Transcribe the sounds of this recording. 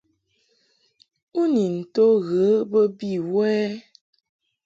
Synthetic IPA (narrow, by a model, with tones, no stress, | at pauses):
u˦ni˨n̩˨to˦ɣə˨˦bə˦bi˦˨wwɛ˦